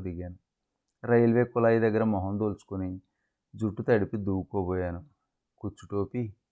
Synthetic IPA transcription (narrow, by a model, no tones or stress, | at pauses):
d̪iɡaːnu | ɾɐjɐlʋekːulaːjid̪ɐɡːɐɾɐmɔɦɐnd̪oːlsu̥kuni | d͡ʒuʈːut̪ɐɽipid̪uːɡukoːbɔːjaːnu | kut͡ʃːuʈoːpi